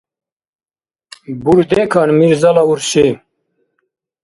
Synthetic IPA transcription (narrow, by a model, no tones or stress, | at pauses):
buɾd̪ekʰɑnmiɾzɐlauɾsi